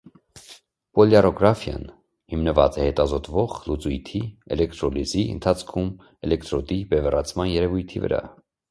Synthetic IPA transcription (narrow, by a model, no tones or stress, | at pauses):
pɔljɑrɔɡɾɑfjɑ̰n | himnəvɑ̰t͡sɛhɛt̪ɑzɔt̪vɔʁlut͡sujt̪ʰiɛlɛkt̪ɾɔliziə̰nt̪ʰɑt͡sʰkʰum | ɛlɛkt̪ɾɔd̪ibɛvɛrɑt͡sʰmɑnjɛɾɛvujt̪ʰivə̰ɾɑ̰